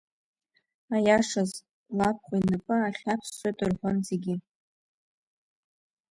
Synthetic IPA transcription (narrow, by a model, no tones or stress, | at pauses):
ajaʂaz | lap̚ʰχʷainɨpʼɨaχʲapʰsːwejtʼɨrħʷonzeɡʲi